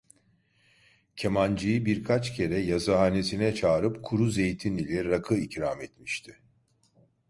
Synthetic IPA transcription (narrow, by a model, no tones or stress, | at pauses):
cʰemand͡ʒɯjɯbiɾkʰat͡ʃcʰe̞ɾɛjazaɦane̞sinɛt͡ʃʰaːɾɯpkʰuɾuze̞jt̪ʰinilʲɛɾakʰɯicɾamet̪miʃt̪ʰɪ